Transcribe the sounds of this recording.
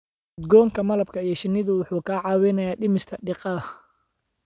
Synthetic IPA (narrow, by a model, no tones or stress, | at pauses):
ʊd̪ɡɔːŋkʰɐmɐlɐb̚kʰɐijɞʃɪnːɪðʊwʊħuːkʰaːʕɑːwɛnɐjaːɖɪmɪst̪ʰɐɖɪqɑðɐ